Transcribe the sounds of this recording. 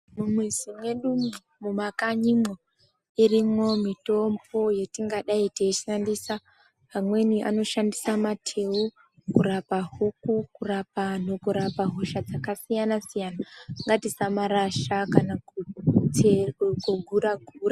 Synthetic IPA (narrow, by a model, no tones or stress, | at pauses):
mumwizimwe̞ɗum | mumakaɲimo | irimo̞mito̞mbo̞jetiŋɡaɗaiteːʃiʃandisa | ɦamwe̞niʔa̰no̞ʃandisamatʰe̞u | kurapaɦukukurapan̤okuɾapaɦoʃad͡zakasijanasijanaŋɡatisamaɾaʃakanaueɡuɡʱuɾaɡʱura